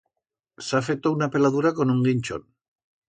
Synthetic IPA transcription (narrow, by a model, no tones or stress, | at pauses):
safet̪ounape̞lað̞uɾako̞nuŋɡinʲt͡ʃo̰n